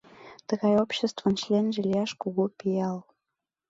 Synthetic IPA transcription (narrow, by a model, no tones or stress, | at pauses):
t̪ə̆ɣɑjopɕest̪və̆nɕlʲenʒelʲijɑʃkuɣupijɑl